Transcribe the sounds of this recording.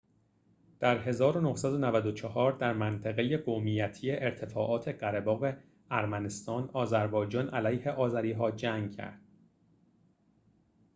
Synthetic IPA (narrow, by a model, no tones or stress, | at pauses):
d̪̥æɾɦe̞zɒːɾo̞nohsæd̪o̞nævæd̪ot͡ʃʰɒhɒːɾd̪æɾmænt̪ʰæɣe̞je̞ɡomijæt̪ʰije̞ʔeɾt̪ʰe̞fɒːʔɒːt̪ʰe̞ɢæɾebɒːɣe̞ | æɾmæne̞st̪ɒːnɒːzæɾbɒːjd͡ʒɒːnælæjhe̞ʔɒːzæɾiːɦɒːd͡ʒæŋɡcʰæ̰ɾd̪̥